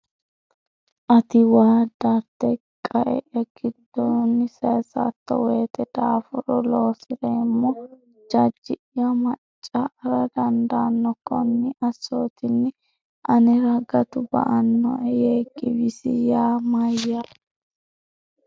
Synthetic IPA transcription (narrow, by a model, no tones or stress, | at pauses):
ʔɐt̪ɪwaːd̪aːt̪ːɛkʼːɐʔɛ̰ʔɛɡ̥ɪd̪ːoːnːɪseːsa̰t̪ːɔ̰weːt̪ɛd̪̥aːfɔɾɔloːsɪɾeːmːɔ | d͡ʒɐd͡ʒːɪ | jɐmɐt͡ʃʼːɐɾɐd̪ɐnd̪aːnːɔkɔnːɪʔɐsːoːt̪ɪnːɪ | ʔɐnɛɾɐɡɐt̪ʊbɐ̰ʔɐnːɔ̰ɛjeːɡɪbɪsɪjaːmɐjːɐ